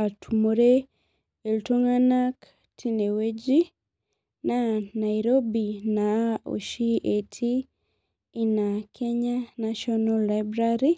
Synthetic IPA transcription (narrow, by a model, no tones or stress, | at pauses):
atʰumuɾe | eltoŋanak | tʰinewed͡ʒi | nanaiɾobinao̰ʃietʰi | inakʰeɲanaʃonalajbɾaɾi